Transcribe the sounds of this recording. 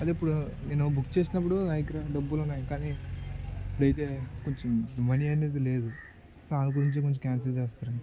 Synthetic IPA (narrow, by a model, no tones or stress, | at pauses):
ɐd̪ipːuɽuneːnubukːt͡ʃe̞ːsinɐp̬ːuɽunaːjikɾɐɖɐbːulunːaːjikaːni | ipːuɽɐjt̪e̞ːkoɲt͡ʃɐmmɐniɐneːd̪ile̞ːd̪u | saːnɐɡuɾiɲt͡ʃekoɲt͡ʃɐkʲaːns̬ɐd͡ʒeːst̪aːɾɐɳii